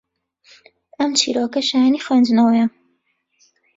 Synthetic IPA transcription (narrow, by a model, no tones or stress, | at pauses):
ɐmt͡ʃʰḭːɾoːkɐʃajaniːxwend͡ʒɨnɐwɐjɐ